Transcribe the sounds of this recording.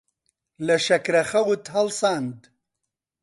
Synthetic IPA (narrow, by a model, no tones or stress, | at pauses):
lɐʃɐkɾɐxɐwut̪ɦɐlsaːnd̪